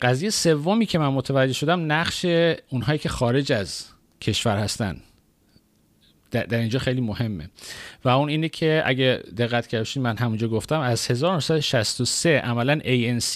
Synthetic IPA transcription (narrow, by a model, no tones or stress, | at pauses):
ɢæziːjeese̞vːomiːcʰe̞mænmot̪ʰævæd͡ʒe̞ʃo̞d̪æmnæɢʃe̞unɦɒːjiːcʲʰe̞xɒːɾe̞d͡ʒæz | cʰe̞ʃvæɾhæst̪æ̰nd̪ | æd̪æɾind͡ʒɒːxe̞jliːmohe̞mːḛvæuniːnecʰe̞ʔæ̰ɟed̪e̞ɣːæt̪ʰcʰæɾbeʃiːd̪mænɦæmund͡ʒɒːɡoft̪æmæz̥he̞zɒːɾosæd̪oʃæst̪oseʔæmælænʔejens